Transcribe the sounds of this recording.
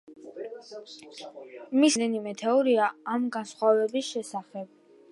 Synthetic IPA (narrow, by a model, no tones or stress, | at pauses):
misd̪ɛnimɛt̪ʰɛɔɾiaːmɡansχwavɛbisʃɛsaχɛb̥̚